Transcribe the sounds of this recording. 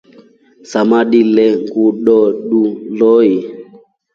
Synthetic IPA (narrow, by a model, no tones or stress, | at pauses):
samaɗilɛŋɡuɗɔɗulɔi